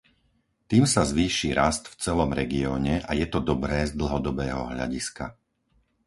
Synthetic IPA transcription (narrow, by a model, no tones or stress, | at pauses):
t̪iːmsazʋiːʃiːɾast̪ft͡sɛlɔmɾɛɡiɔːɲɛʔajɛt̪ɔd̪ɔbɾɛːzd̪l̩ɦɔd̪ɔbɛːɦɔ̰ɦʎa̰ɟiska̰